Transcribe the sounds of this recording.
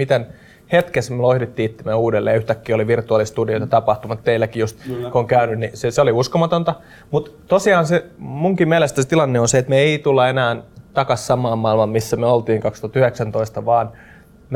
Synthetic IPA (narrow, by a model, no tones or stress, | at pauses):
mit̪æn | het̪kesmølohɾit̪ːiːt̪ːæmeøuːdelːḛːjɑyht̪ækːiːoliʋirt̪uɑlist̪udiot̪ɑt̪ɑpɑht̪umɑt̪t̪eilːækijust̪koŋkæynynniseseoliuskomɑt̪ont̪ɑ | mut̪t̪osiɑːnsemuŋkimmiælest̪æset̪ilɑnːeonseet̪meeit̪ulːɑenæːnt̪ɑkɑssɑmˑɑːmmɑilmɑmmisːæmyøolt̪iːŋkɑkst̪uɑt̪yheksænt̪oist̪ɑʋɑːn | m